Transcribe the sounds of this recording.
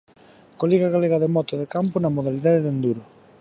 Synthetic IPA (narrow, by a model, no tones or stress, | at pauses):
koliɣaɣaleɣaðemɔt̪oðekampʊnɐmoðaliðaðeðend̪uɾʊ